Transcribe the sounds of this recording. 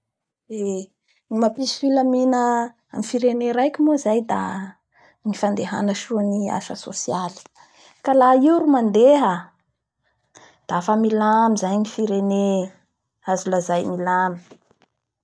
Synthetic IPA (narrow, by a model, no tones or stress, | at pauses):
e | imapisfiləminə | amifiɾeneɾajkʲimuzajd̪a̰ | nifand̪eɦa̰nəʃuania̰ʃəso̰siali̥ | kalaiɾumand̪eɦa | d̪̥aafamilamizajnifiɾene | azulazajmilami̥